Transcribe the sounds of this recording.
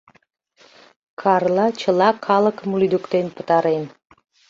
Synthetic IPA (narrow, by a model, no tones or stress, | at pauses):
kʰɑrlɑt͡ɕəlɑkʰɑlə̆kəmulyd̪ukt̪enpət̪ɑɾen